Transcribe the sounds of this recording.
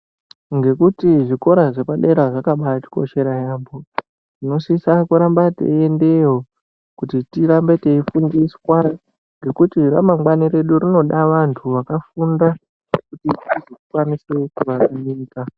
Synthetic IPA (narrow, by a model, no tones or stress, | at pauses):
ŋɡe̞kutiʐiko̞ɾaʐepaɗe̞ɾaʐakaɓaati̥ko̞̰ʃe̞ɾajaːmbo̞ | ʐ̥ino̞sisakuɾambatḛende̞ɦo | kutitiɾambe̞te̞ifundeiskwaɾa | ŋɡe̞kutiɾa̰mamɡwaniɾe̞ɗurino̞ɗaʋantʰuʋakafunda | kutitizokukwanisekuʋakaniːka